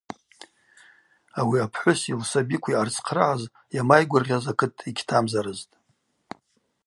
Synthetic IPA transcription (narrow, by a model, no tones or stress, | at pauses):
awiapʰħʷʊsilsabikʷʰiart͡sʰʼqʰraʕaz | jamajɡʷʊrʁʲazakʰɨtʼiɡʲtʰamzaɾɨztʼ